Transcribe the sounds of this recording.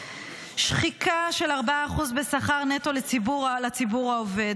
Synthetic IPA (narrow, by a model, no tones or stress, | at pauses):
ʃχikʰaʃe̞laʁbaaːχuzbesaχaʁnet̪o̞let͡sibuʁlat͡sibuʁaove̞d